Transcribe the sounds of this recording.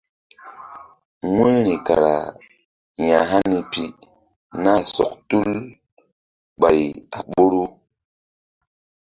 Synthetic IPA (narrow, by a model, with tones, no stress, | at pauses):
wẽ˦ɾi˨ka˨ɾa̰˨ | ja˨ɦa˦ni˨pi˨ | na˦sɔ̰˨k̚tu˦l | ɓa˨ja˨ɓo˦ɾu˦